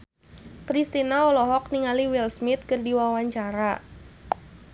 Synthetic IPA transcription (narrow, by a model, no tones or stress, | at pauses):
kɾist̪inaɔlɔɦɔk̚niŋaliwilsmit̪̚kɨrdiwawaɲt͡ʃaɾa